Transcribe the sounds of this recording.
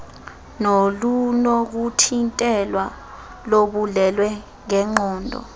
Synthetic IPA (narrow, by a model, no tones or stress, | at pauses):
nolunɔk̬utʰintʼɛlwa | loɓulɛlwɛ | ŋɛŋ͡ǃɔːndʱɔ̰